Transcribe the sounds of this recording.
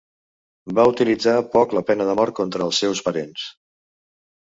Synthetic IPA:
baut̪ilid͡zapɔkləpɛnəðəmɔɾt̪̚kont̪ɾəːlˠsːɛwspəɾens

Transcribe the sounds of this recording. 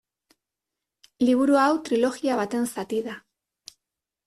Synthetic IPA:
liβ̞uɾuawt̪ɾilo̞ɣiaβ̞at̪e̞nsat̪iða

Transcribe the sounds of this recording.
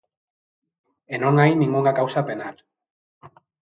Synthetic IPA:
enoŋajnĩŋɡuŋɡakawsapenal

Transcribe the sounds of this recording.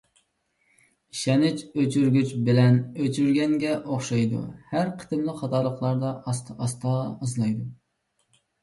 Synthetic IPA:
iʃɛnɪt͡ʃøt͡ʃʰyɾɡʲyt͡ʃbɪlɛnøt͡ʃʰyɾɡʲɛŋɡʲɛʔoχʃɑjd̪ṵhæɾqʰə̥t̪ɪmlˠəχɑt̪ʰɑɾlˠəqlˠɑɾd̪ɑst̪ːst̪ʰɑːzlˠɑjd̪u

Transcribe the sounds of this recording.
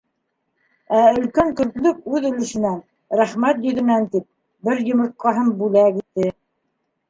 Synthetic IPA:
æɵ̆lkæŋkɵ̆ɾk̪lɵk̚ʉðɵ̆lɘ̆ʃɘ̆næn | ɾæχmæt̪jɵ̆ðɘ̆nænt̪ip̚ | bɘɾjŏmŏt̪̚qɑɦɤmbʉlækit̪ːɘ

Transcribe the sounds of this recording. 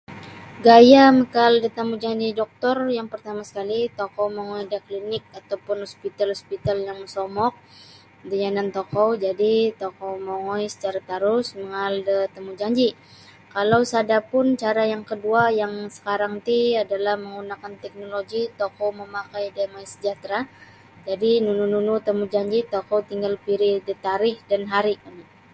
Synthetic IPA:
ɡajaməkaldət̪amud͡ʒaɲd͡ʒidɔk̚t̪ɔrjaŋpərt̪amasə̥kalit̪okɔmɔŋɔidəklinɪk̚at̪awpʊnhɔspit̪alhɔspit̪aljaŋəsɔmɔk̚ | dəɲanant̪ɔkɔd͡ʒadit̪okɔmoŋɔjsə̥t͡ʃaɾat̪aɾʊsməŋaldət̪əmud͡ʒaɲd͡ʒi | kalawsadapʊnt͡ʃaɾajaŋkəduajaŋsə̥kaɾaŋt̪iadalahməŋunakant̪ɛk̚noloɡit̪okɔwməmakajdemaisə̥d͡ʒaht̪ɾa | d͡ʒadinunununut̪əmud͡ʒaɲd͡ʒit̪okɔwt̪iŋɡalpiɾidət̪aɾɪhdanɦaɾikan

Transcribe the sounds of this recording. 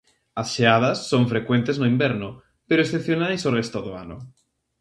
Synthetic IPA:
asʃeað̞asːoɱfɾekwent̪eznoimbeɾno | peɾoesθepθjonajsorest̪oðoa̰no̰

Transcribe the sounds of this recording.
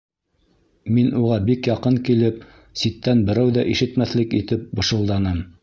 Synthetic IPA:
minʔuʁɑbikjɑqɤŋkilɘp̚ | sit̪ːænbɘ̆ɾæwðæʔiʃɘ̆t̪mæθlɘkit̪ɘp̚bɤ̆ʃɤ̆lˠd̪ɑnɤm

